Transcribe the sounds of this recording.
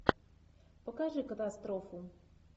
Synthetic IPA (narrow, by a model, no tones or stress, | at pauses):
pɔkaʐɛkat̪ast̪ɾɔfu